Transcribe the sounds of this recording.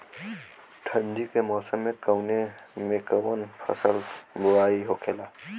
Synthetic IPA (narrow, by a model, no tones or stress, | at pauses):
ʈʰə̃nd͡ʒikemɔːsəmːẽkəwnemẽkəwənfʰə̰səlbʊwaːiɦokʰeːlaː